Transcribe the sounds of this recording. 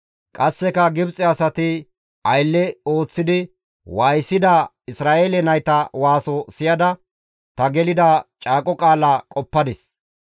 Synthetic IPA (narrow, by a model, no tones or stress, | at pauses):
kʼɐsːɛkɐɡɪbt͡sʼɛɐsɐt̪ɪ | ɐjlːɛo̞ːt͡sːɪd̪ɪ | waːjsːɪd̪ɐ | ɪsɾaːʔeːlɛnɐjt̪ɐwaːsɔsɪjɐd̪ɐ | t̪ɐɡɛlɪd̪ɐt͡ʃʼaːkʼɔkʼaːlakʼɔpːɐd̪ɪs